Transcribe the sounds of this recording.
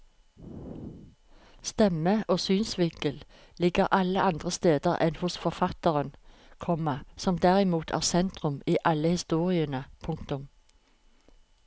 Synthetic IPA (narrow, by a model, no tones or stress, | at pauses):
st̪ɛməoːsyːnsʋɪŋkəl | lɪɡəʁʔɑləʔɑnd̪ʁəst̪eːd̪əʁɛ̰nhʊsfɔʁfɑt̪əʁən | kʰɔməsɔmd̪æʁɪmuːt̪ʰæ̰ːʁsɛnt̪ʁʉmiːʔɑləhɪst̪uːʁɪənəpʰʊŋkt̪ʊm